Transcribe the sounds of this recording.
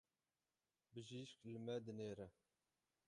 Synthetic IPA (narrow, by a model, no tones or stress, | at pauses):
bɨʒiːʃkləmɛd̪ɨneːɾɛ